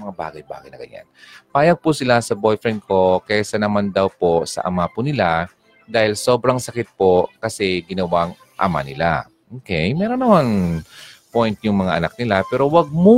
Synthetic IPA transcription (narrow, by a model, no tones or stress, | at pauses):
mɐŋaba̰ːɡɐjba̰ːɡɐ̰jnɐ̰ɡɐ̰ɲːa̰npaːjɐɡ̚pʊsɪlasɐbo̞jfɾɛnd̪̚ko̞kɛsɐnɐmand̪ɐwpo̞sɐ̰ʔɐ̰mapʊnɪla | d̪aːhɪlso̞ːbɾɐŋsɐkɪt̪̚po̞kɐsɛɡɪnɐwaŋ | ʔɐ̰ma̰nɪla̰ | ʔoːkɛjmɛːɾonːɐman | pojnt̪̚jʊŋmɐŋaʔɐnak̚nɪlapɛːɾo̞wɐɡ̚mʊ